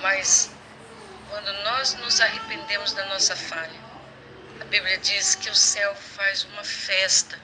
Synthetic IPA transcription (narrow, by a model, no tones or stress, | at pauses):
mɐs | kwɐ̃nd̪ʊnɔznʊzaɦepẽnd̪ẽmʊzd̪ɐnɔsɐfaʎɐ | ɐbibliɐd͡ʒiskɪʊsɛwfajzũmɐfɛst̪ɐ